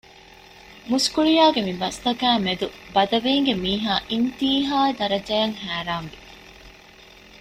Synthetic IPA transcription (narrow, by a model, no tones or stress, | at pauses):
muskuɭijaːɡemibɐst̪ɐkæːmed̪ubɐd̪ɐʋiːŋɡemiːɦaːʔint̪iːɦaːed̪ɐɾɐd͡ʒɐjɐŋhæːɾaːŋʋi